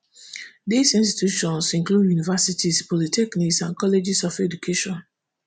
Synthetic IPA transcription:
disĩnsti̥tʰjuʃɔ̃nsĩŋkludjunivasitispɔlitʰɛkniksãnkʰɔled͡ʒisɔfɛdukʰeʃɔ̃n

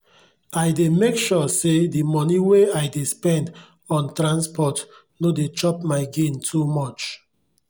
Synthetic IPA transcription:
aɪdemekʃusedimɔniweaɪdespɛ̃nd | ɔ̃ntɹãnspɔt | nodet͡ʃɔpmaɪɡẽntʰumɔt͡ʃ

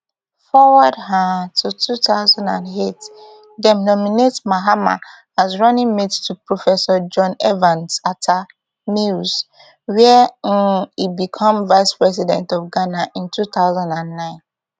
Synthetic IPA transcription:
fɔwədɦãtʰutʰuθaʊzãndãnet | dɛmnɔminetmaɦama̰ | azɹɔnĩŋmedtupɹɔfɛsɔd͡ʒɔ̃nɛvãnsatʰa | nuz | wɛ | ibikʰɔ̃mvaɪspɹɛsidɛ̰̃ntɔfɡanaʔĩntʰuθaʊzãndãnːãɪ̃n

